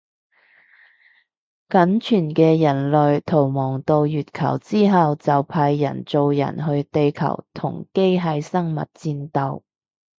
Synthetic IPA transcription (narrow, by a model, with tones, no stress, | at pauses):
kɐ˨˥nt͡ʃʰyː˨˩nkɛː˧jɐ˨˩nlɵ˨ɥt̪ʰo˨˩wmɔː˨˩ŋt̪o˧wjyː˨t̚kʰɐ̰˨˩wt͡siː˥ɦɐ˨wt͡sɐ˨wpʰaː˧jːɐ̰˨˩nt͡so˨˧wjɐ̰˨˩nɦɵ˧ɥt̪e˨jkʰɐ̰˨˩wt̪ʰʊ̰˨˩ŋke˥jɦɐ˨jsɐ˥ŋmɐ̰˨t̚t͡siː˧nt̪ɐ˨˧w